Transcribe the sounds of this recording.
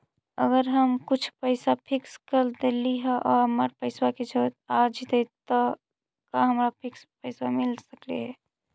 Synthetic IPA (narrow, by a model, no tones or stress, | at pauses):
əɡəɾɦəmkut͡ʃʰpəɪsapʰikskəɾd̪eliɦɛʔɔɾəməɾpəɪsaked͡ʒʰət̪ad͡ʒit̪et̪ɔ | kaɦəmɾapʰikspəɪsamilsəkleɦɛ